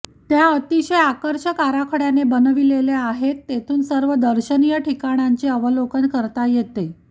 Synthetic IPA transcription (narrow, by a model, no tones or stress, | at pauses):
t̪jaət̪iɕejakəɾɕəkaɾakʰəɽjanebənʋileleaɦet̪ːet̪ʰuːnsəɾʋəd̪əɾɕənijəʈikaɽ̃jaɲt͡ɕeəʋəlokənkəɾt̪ajet̪e